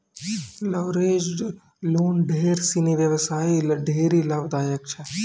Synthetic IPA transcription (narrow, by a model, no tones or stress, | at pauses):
lɐʋɾeːd͡ʒ | loːnɖʱeːɾsiniʋjɐʋsaːilɖʱeːɾilɐbd̪aːjək̚t͡ʃʰɛ